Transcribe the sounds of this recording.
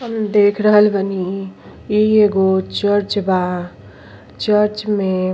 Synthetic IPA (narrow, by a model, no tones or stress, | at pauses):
ɦəmd̪ekʰɾəɦəlbʱəni | ieɡot͡ʃəɾt͡ʃba | t͡ʃəɾt͡ʃmẽ